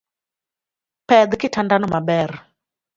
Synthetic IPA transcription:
pɛd̪kɪtandanɔmabɛr

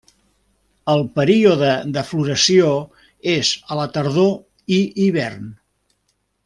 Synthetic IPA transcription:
əlˠpəɾioðəd̪əfluɾəsio | ezələt̪əɾðo | iiβɛrn

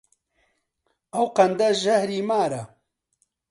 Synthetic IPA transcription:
ɐwqɐnd̪ɐʒɐhɾiːmaːɾɐ

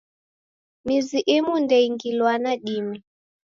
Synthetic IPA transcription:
miziʔemundɛiŋɡilwanaɗimi

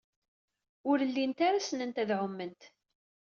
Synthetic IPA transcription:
ʊɾəlːint̪aɾasənənt̪æðʕʊmːənt̪

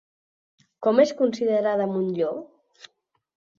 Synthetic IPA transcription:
kɔmeskunsiðəɾaðəmunʎɔ

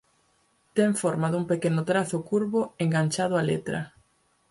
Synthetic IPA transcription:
t̪eɱfɔɾmaðuŋpekenʊt̪ɾaθʊkuɾβʊeŋɡant͡ʃað̞ʊalet̪ɾɐ̰

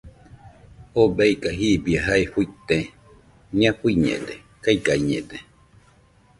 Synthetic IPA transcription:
obajkaɦibiaɦaehujt̪ẽ | ɲãpuiɲḛ̃d̪e | kajɡajɲẽd̪e

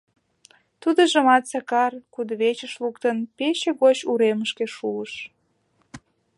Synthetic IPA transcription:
t̪ud̪ə̆ʒəmɑt̪sɑkɑrkud̪əβet͡ɕəʃlukt̪ənpeɕeɣot͡ɕuɾeməʃkeʃuəʃ

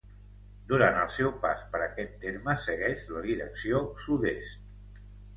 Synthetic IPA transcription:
d̪uɾant̪əlˠsɛwpaspəɾəkɛt̪ːeɾməsəɣɛʃləðiɾə̰ksiosuðḛst̪

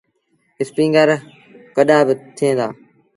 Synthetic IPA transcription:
ɪspĩːŋɡəɾ | kəɗaːbɪt̪ʰiẽːd̪a̰ː

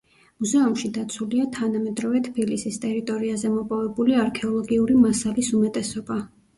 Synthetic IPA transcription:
muzɛumʃid̪at̪sʰuliat̪ʰanamɛd̪ɾɔvɛt̪ʰpʰilisist̪ʼɛɾit̪ʼɔɾiazɛmɔpʼɔvɛbuliaɾkʰɛɔlˠɔɡiuɾimasalisumɛt̪ʼɛsɔba

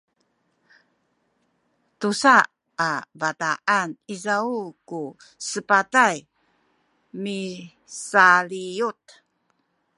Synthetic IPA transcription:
tusa | avataʔanizauku | səpataj | mi | saliut

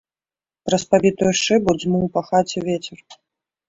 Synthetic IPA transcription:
pɾɐspavʲit̪ujuʂɨbud͡zʲmuwpɐxat͡sʲɛvʲet͡sʲɛr

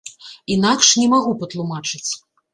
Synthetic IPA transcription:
inakʂnʲɛmaɣupɐt̪lˠumat͡ʂɨt͡sʲ

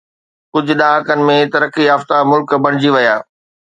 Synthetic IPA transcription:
kʊd͡ʑʱʊ̆ɗãkənɪ̆mẽt̪ɐɾəkiaːft̪amʊlkbɐɽ̃ɪd͡ʑiʋɐjaː

